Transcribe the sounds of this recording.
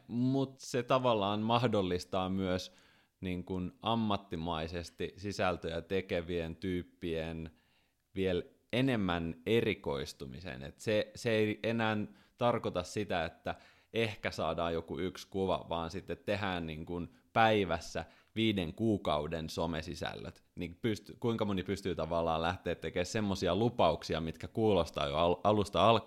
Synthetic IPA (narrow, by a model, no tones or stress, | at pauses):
mut̪set̪ɑʋɑlːɑːnmɑhdolːist̪ɑːmyøs | niːŋkunɑmːɑt̪ːimɑisest̪isisælt̪øjæt̪ekeʋient̪yːpːien | ʋiel | enemːæneriko̞ist̪umḭsḛnḛt̪seseeiʔenæːn | t̪ɑrkot̪ɑssit̪æet̪ːæ | ʔehkæsɑ̰ːdɑːjokuykskuʋɑ̰ʋɑːnsit̪ːet̪teɦæːnniːŋkun | pæiʋæsːæ | ʋiːdeŋkuːkɑudensomesisæ̰lːø̰t̪nipyst̪kuiŋkɑmonipyst̪yːt̪ɑʋɑlːɑ̰ːlæht̪eːt̪t̪ːekeːssemːosiɑlupɑuksiɑmit̪kækuːlost̪ɑ̰ːjo̰ɑɑlust̪ɑɑlk